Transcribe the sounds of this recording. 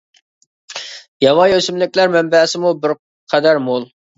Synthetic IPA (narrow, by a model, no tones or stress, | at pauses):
jɑwɑjøsymlɪkʲlæɾmɛmbɛsɪmubɪɾ | qʰæd̪æɾmolˠ